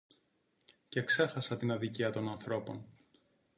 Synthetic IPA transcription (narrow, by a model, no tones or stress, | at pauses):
ce̞kse̞xɐsɐt̪inɐðiciɐt̪o̞nɐnθɾo̞po̞̰n